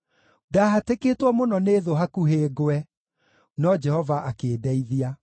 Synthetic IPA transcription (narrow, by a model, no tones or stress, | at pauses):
daːɦateketwamonɔneːðoɦakuɦeːɡoɛ | nɔd͡ʒɛhɔvaʔakeːdɛiðia